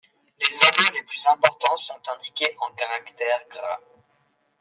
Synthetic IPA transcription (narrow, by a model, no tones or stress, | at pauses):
lezavɔleplyzɛ̃pɔʁt̪ɑ̃sɔ̃t̪ɛ̃d̪ikʲeʔɑ̃kaʁakt̪ɛʁɡʁa